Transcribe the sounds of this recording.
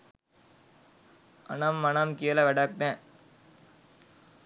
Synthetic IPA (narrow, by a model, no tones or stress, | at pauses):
ɐ̰nɐmːɐnɐmkijɐlɐʋɛɽɐk̚t̪ẽː